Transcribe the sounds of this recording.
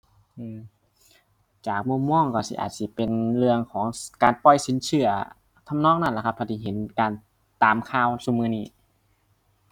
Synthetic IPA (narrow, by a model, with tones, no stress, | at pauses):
ʔɯː˧˩m | t͡ɕaː˨˩k̚mu˧˥˨mːɔː˧˥˩ŋkɔː˧˩si˧ʔa̰ː˨˩t̪̚si˧˩pe˨nlɯ˧əŋkʰɔː˩˦ŋkaː˨npɔ˧˩jsi˨˦nsʰɯ˧˩ɐ | t̪ʰa˧˨mnɔː˧˥˨ŋ̚na˧˩˨la˧˩kʰa˧pʰɔː˧˩t̪iː˧˩ɦe˨˦nkaː˨n | t̪aː˨mkʰaː˧˩˨wsu˧˩mɯː˧˩niː˧˩˨